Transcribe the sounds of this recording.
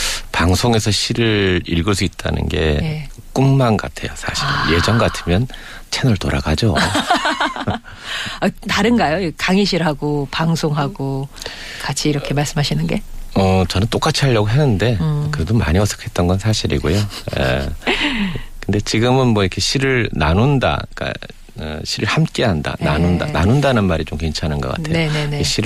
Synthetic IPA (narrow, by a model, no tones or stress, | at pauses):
paŋsʰoŋe̞sʰʌɕʰiɾɯɾiɭɡʌs̬ʰuit̚t͈a̰nɯ̰nɡe̞̰ | k͈ummanɡa̰tʰe̞̰josʰaɕʰiɾɯ̰nje̞d͡ʑʌnɡatʰɯmjʌn | t͡ɕʰenʌɭto̰ɾa̰ɡad͡ʑo | ataɾɯnɡajoikaŋiɕʰiɾɦaɡopaŋsʰoŋɦaɡo | kat͡ɕʰiːɾʌkʰe̞maɭs͈ɯmɦaɕʰinɯnɡe̞ʌt͡ɕʌnɯnt͈ok͈at͡ɕʰiɦaʎːʌɡoɦenːɯnde̞kɯɾe̞doma̰ɲiʌs͈ʰɯ̥kʰe̞t̚t͈ʌnɡʌnsʰaɕʰiɾḭɡojoḛ | kʰɯnde̞t͡ɕiɡɯmɯnmwʌiɾʌkʰe̞ɕʰiɾɯɭna̰nunda̰k͈a̰ | ʌ̰ɕʰiɾɯɭhamk͈e̞ɦanda̰na̰nundana̰nundanɯnmaɾit͡ɕomke̞nt͡ɕʰanɯnɡʌk͈a̰tʰejoeneekeɕʰiɾ